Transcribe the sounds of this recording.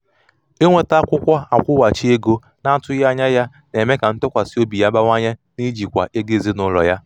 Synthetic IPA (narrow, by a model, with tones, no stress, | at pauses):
e˦ŋʷe˦ta˦kʷʊ˦kʷa˦a˨kʷʊ˦wa˨t͡ʃi˦e˦ɡo˦ | na˦tʊ˦ja˦ɲa˦ja˦ | ne˨me˦ka˨n̩˦tʊ˦kʷa˨si˦o˦bi˨ja˦ba˦ŋʷa˦ɲe˦ | ni˦d͡ʒi˨kʷa̰˨ʔe˦ɡe˦˨zi˦nʊ˦lɔ̰˨ja˦